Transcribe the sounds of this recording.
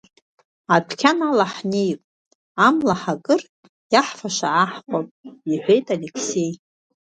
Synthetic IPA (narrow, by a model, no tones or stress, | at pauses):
atʰkʲʰanalaħnejpʼ | amlaħakʼɨr | jaħfaʃaʕaħχʷʼapʼiħʷᶣe̞jtʼalekʰse̞j